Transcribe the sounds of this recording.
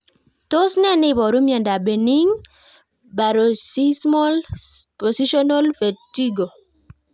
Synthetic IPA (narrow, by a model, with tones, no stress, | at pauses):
to˦snɛ˦nɪ˦bɔ˨ɾu˦mjɔ˨nda˨be˨ni˦ŋ | ba˨ɾo˨si˦smɔlpɔ˨si˦ʃɔ˦nɔ˦lfe˨ti˦ɡo˨